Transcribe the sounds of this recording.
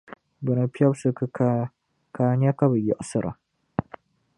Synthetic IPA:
bɨ˨nɨ˨pi˦ɛ˦bsɨ˦kɨ˦ | kaː˨ɲɛ˦ka˦bɨ˨jɪ˨ʔʊ˨sɨ˨ɾʔa̰˨

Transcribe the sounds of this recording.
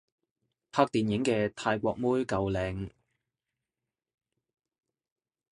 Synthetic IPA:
pʰaː˧˥k̚t̪iː˨njɪ˨˥ŋkɛː˧t̪ʰaː˧jkʷɔː˧k̚muː˥jkɐ˨˧wlɛː˨˩ŋ

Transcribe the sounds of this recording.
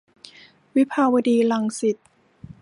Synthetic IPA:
wi˦˥pʰaː˧wa˧diː˧la˧ŋsi˨˩t̪̚

